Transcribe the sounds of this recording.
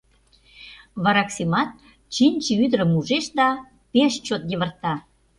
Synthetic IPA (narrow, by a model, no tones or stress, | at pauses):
βɑɾɑksemɑt̪̚ | t͡ɕinʲt͡ɕiyd̪ɾə̆muʒeʃd̪ɑ | peʃt͡ɕot̪̚jeβə̆rt̪ɑ